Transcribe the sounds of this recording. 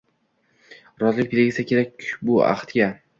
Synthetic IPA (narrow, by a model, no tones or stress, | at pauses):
ɾɒzlɪk̚ʲpʰelɡʲɪsakʲe̞ɾak̚ʲːbʊa̰χt̪ɡʲa